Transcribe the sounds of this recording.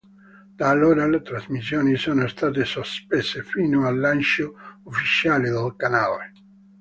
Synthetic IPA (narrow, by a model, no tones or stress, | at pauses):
d̪aːlːoːɾalet̪ɾazmisːjoːnisoːnost̪aːt̪̬esospesefinoalːant͡ʃoufːit͡ʃaːled̪alkanale